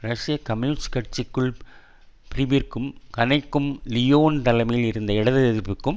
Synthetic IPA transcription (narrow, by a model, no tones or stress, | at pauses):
ɾɐʂjɐkɐmjuːnskɐʈ̚t͡ʃːɪkːɯɭ | pɪɾɪʋirkɯmkɐnɐɪkːɯmlɪjoːnt̪ɐlɐmɐjɪlɪɾɯnd̪ɐɪɽɐðɯɛðɪɾpːɯkːɯm